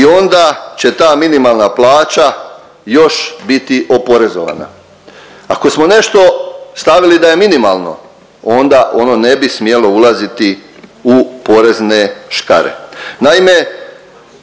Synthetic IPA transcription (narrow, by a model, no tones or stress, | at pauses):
io̞nd̪at͡ɕe̞t̪aːminimalˠnaplˠaːt͡ɕa | jo̞ʃbit̪iʔo̞po̞ɾe̞zo̰ʋa̰na̰ | ako̞smo̞ne̞ʃt̪o̞st̪aʋilid̪aje̞minimalˠno̞̰ | o̞nd̪aʔo̞no̞ne̞bismje̞lo̞ulˠazit̪iupo̞ɾe̞zne̞ʃka̰ɾe̞̰naime̞